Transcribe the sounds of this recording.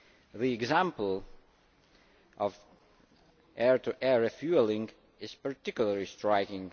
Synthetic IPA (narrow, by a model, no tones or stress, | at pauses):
ðiɛɡzãmpəlˠ | ʔɔv | ʔɛɹt̪ʰuʔɛɹɛfjulˠĩŋ | ɪz̥pəɹt̪ɪkjuləɹlistɹaɪkɪ̃ŋ